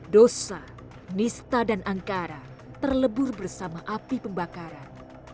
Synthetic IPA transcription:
dosa | nist̪adanʔaŋkaɾa | t̪ərləbʊrbərsamaʔapipəmbakaɾan

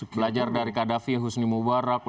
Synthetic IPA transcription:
bəlad͡ʒardaɾikadafiɦusnimubaɾak

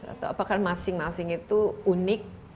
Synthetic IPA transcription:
a̰t̪a̰a̰pakarmasɪŋmasɪŋit̪uunɪk̚

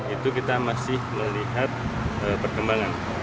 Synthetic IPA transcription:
it̪ukit̪amasɪhməliɦat̪̚əpərkəmbaŋan

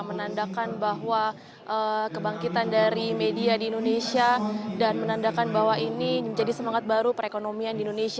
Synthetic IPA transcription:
mənandakanbaɦwa | ʔəkəbaŋkit̪andaɾimediadiiːndonesiadanmənandakanbaɦwaʔiniɲd͡ʒadisəmaŋat̪̚baɾupəɾekonomiandindonesia

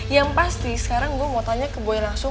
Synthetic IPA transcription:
jaŋpast̪isə̥kaɾaŋɡuamot̪aɲakəboɛlaŋsʊ

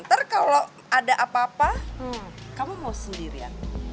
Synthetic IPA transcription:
nt̪ərkalaw | adaʔapaːpa | kamumausəndiɾia̰n

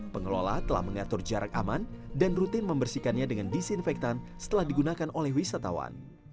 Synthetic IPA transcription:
pəŋəlo̰la̰t̪əla̰hməŋart̪ʊrd͡ʒaɾa̰k̚a̰mandanrut̪ɪnməmbərsikanɲadəŋandisinfɛk̚t̪ansə̥t̪əlahdiɡunakanʔolɛhwisat̪awa̰n

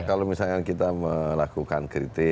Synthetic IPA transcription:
kalomisalkankit̪aməlakukankɾit̪ɪ

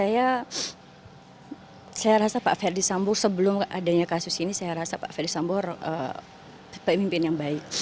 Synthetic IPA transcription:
saja | sajaɾasapa̰ʔfɛrdisambɔsəbəlʊmkaʔadaɲakasʊsinisajaɾasapa̰ʔfɛrdisambɔrə̰ | pəmimpɪnjaŋbaɪk̚

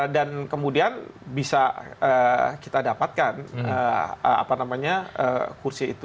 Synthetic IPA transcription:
dankəmudianbisaəːki̥t̪adapat̪̚kanəa̰panamaɲaə̰kursiːt̪u

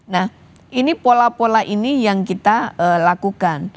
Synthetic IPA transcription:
nah | ʔinipolapolaʔinijaŋkit̪aəlakukan

